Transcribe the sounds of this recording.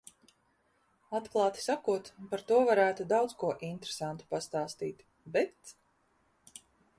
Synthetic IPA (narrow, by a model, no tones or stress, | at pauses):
at̪klˠɑːt̪i̥sakuɔt̪paɾt̪uɔvaɾæːt̪ud̪awd̪skuɔʔint̪ɾesant̪u̥past̪aːst̪iːt̪ | bɛt̪